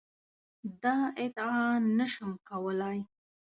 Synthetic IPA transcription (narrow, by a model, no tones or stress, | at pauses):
d̪ɑɪt̪ɪɑnəʃəmkawəlaj